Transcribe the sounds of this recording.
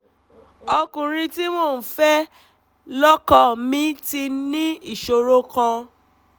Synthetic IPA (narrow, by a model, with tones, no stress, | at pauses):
ɔ˧kũ˨ɾĩ˧ti˦mo˦˨n̩˨fɛ˦ | lɔ˦kɔ˦mĩ˦ti˧nĩ˦i˦˨ʃo˨ɾo˦kã˧